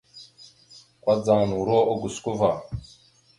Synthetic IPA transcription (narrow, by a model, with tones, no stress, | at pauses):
kʷwa˦d͡zaː˨nu˨ɾo˦o˦ɡu˨sku˦va˨